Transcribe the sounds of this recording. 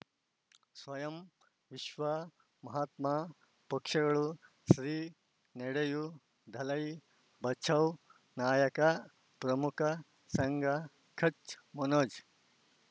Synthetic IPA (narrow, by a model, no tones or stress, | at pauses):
sʋɐjɐm | ʋiʃʋɐ | mɐɦaːt̪ma | pɐkʂɐɡɐɭu | ʃɾiː | neɽɐju | d̪ʱɐlɐj | bʱɐt͡ʃʰɐw | naːjɐkɐ | pɾɐmukʰɐ | sɐŋɡɐ | kʰɐt͡ʃmɐnoːd͡ʒ